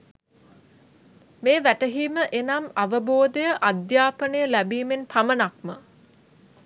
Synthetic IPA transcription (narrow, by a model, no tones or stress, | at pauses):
meːʋæʈəɦiːməʔenamaʋəboːd̪ejəʔad̪jaːpənəjəlæbiːmenpʰamənak̚mə